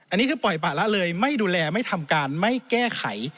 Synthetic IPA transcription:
ʔa˧nːi˦˥kʰɯː˧pɔ˨˩jpaː˨˩la˦˥ʔlɤː˧jma˥˩jduː˧lɛː˧ma˥˩jt̪ʰa˧mkaː˧nma˥˩jkɛː˥˩kʰa˨˩˦j

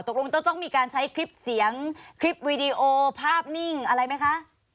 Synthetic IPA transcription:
t̪o˨˩k̚lo˧ŋt̪ɔ˥˩ŋt̪ɔ˥˩ŋmiː˧kaː˧nt͡ɕʰa˦˥jkʰɾi˦˥p̚si˨˩˦əŋkʰɾi˦˥p̚wiː˧di˧ʔoː˧pʰaː˥˩p̚ni˥˩ŋʔa˧ɾa˧jma˦˥jkʰa˦˥ʔ

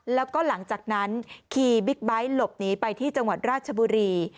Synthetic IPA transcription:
lɛː˦˥wkɔː˥˩la˩˦ŋt͡ɕaː˨˩k̚na˦˥nkʰiː˧bi˦˥k̚ba˦˥jlo˨˩p̚niː˦˥pa˧jt̪ʰiː˥˩t͡ɕa˧ŋwa˨˩t̪̚ɾaː˥˩t̪̚t͡ɕʰa˧buː˧ɾiː˧

